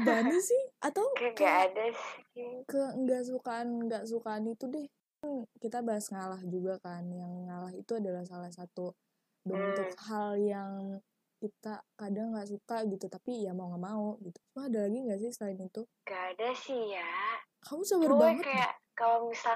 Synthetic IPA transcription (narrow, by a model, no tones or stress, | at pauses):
danɪsɪhʔat̪awkŋɡaadasikəŋɡaʔs̬ukaːnŋɡaʔs̬ukaːnit̪udɛhkkankit̪abaɦasŋalahd͡ʒuɡakanjaŋːalaɦit̪uadalahsalahsat̪u | bəɾənt̪ʊt̪ɦaljaŋ | kit̪akadaŋːɡaʔsukaɡit̪ut̪apijamauŋɡaʔmauɡit̪usumaadalaɡiŋɡaʔsɪhsəlaɪnit̪uŋɡaːdasihja | kamusabərbaŋətkaja̰kalomisa